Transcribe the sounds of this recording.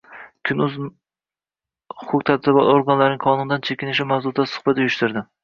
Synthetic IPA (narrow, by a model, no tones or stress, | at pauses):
kʲʰʊnʊz | hʊkʰʊkt̪ʰad̪zɪbɒt̪oɾɡanlaɾnɪŋqʰɒnʊnd̪ant͡ʃʰekʲɪnɪʃɪmawzʊɾd̪asʊ̥χbat̪ʊjʊʃt̪ɪɾd̪ɪ